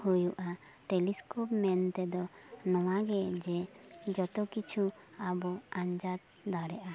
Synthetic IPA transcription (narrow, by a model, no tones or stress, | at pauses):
hujuʔa | ʈeliskopmɛnt̪ɛd̪ɔnɔwaɡɛd͡ʒɛd͡ʒɔt̪ɔkit͡ʃʰu | abɔaɲd͡ʒat̪̚ | d̪aɽɛʔa